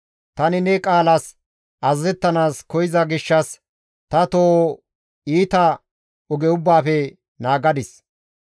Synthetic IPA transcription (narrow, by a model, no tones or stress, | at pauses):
t̪ɐnɪnɛkʼaːlɐs | ʔɐzːɛt̪ːɐnaːskɔjɪzɐɡɪʃːɐs | t̪ɐt̪oː | iːt̪ɐ | ʊɡɛʊbːaːfɛ | naːɡɐd̪ɪs